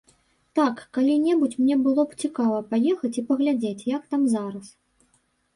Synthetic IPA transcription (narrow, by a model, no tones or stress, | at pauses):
t̪akːalʲinʲɛbut͡sʲmnʲɛbɨlˠɔpt͡sʲikavɐpajɛxɐt͡sʲipɐɣlʲad͡zʲet͡sʲjakt̪amzaɾɐs